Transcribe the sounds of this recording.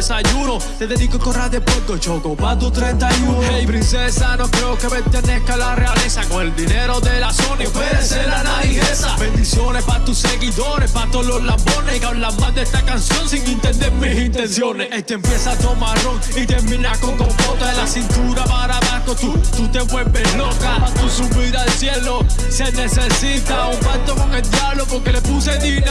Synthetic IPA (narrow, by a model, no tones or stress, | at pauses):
esajuno | t̪eðeðikokorad̪epwelt̪ot͡ʃokopat̪ot̪ɾent̪ajunhejpɾinsesanokɾeokepent̪enekalarealesakoŋeld̪ineɾoðelasonipeeselanaiesabend̪isjonepat̪usːeɣiðoɾehpat̪ːolozlamboneikanlamãnd̪est̪akansjonsiŋint̪end̪eɾmisint̪ensjoneet̪empjesat̪omaroŋ | it̪eɾmĩnakoŋk̪oŋbot̪aðelasint̪uɾapaɾaβakot̪ut̪ut̪e̞βwe̞lbe̞hlo̞kapat̪usuβiɾalsje̞lo̞ | se̞ne̞se̞sit̪aopant̪oko̞ŋe̞ld̪jaβlopoɾke̞lepuseðina